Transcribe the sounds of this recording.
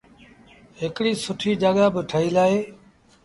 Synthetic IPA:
ɦɪkɽiːsʊʈʰiːd͡ʒaːɠaːbɪʈʰəɦiːlaːɦeː

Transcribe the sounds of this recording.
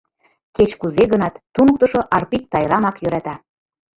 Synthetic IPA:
ket͡ɕkuzeɣənɑt̪ːunɤk̚t̪əʃoʔɑrpik̚t̪ɑjɾɑmɑkjø̆ɾɑt̪ɑ

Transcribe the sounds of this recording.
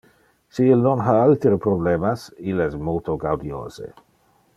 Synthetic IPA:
siilnonɦaalt̪ɾepɾoblemasilɛsmolt̪ʰoɡawdio̰ːzḛ

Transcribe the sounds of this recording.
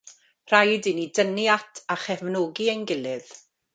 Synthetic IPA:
r̥ajdɨnidənjatʰaχɛvnoːɡiənɡɪlɪð̥

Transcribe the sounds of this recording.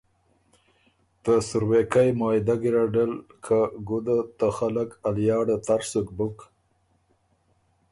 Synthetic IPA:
t̪əsʊɾwekajmɑjd̪aɡiɾaɖəlkʰaɡud̪at̪axalakaljɑɽat̪aɾsukbʊk

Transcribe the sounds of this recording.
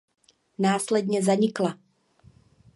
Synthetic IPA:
naːslɛd̪ɲɛzaɲɪkla

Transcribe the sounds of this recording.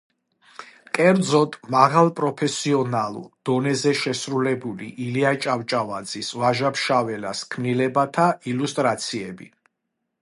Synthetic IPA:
kʼɛɾd̪zɔt̪ʼmaʁalˠpʼɾɔpʰɛsiɔnalˠṵd̪̥ɔnɛzɛʃɛsɾulɛbulḭʔiliat͡ʃʼavt͡ʃʼavad̪zisvaʒapʰʃavɛlaskʰmnilɛbat̪ʰailust̪ʼɾat̪sʰiɛbḭ

